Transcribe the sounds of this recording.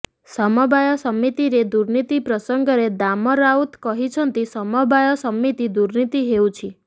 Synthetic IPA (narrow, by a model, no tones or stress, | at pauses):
sɔmɔbajɔsɔmːit̪iɾed̪uɾnit̪ipɾɔsɔŋɡɔɾed̪amɔɾaut̪kɔɦit͡ʃʰɔnt̪isɔmɔbajɔsɔmit̪id̪uɾnit̪iɦeũt͡ʃʰi